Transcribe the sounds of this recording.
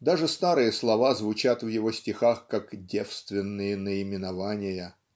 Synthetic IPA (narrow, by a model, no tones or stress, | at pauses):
d̪aʐɨst̪aɾɨjəslˠɐvazvʊt͡ɕat̪vjɪvosʲtʲɪxaxkakdʲe̞fst̪vʲɪnːɨjənəɪmʲɪnɐvanʲɪjə